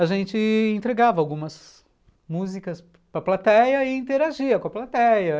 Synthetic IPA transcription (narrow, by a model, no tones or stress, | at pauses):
ɐʒẽnt͡ʃɪẽnt̪ɾeɡavɐawɡũmɐs | muzikɐs | pɾɐplat̪ɛjɐɪĩt̪eɾaʒiɐkõɐplat̪ɛjɐ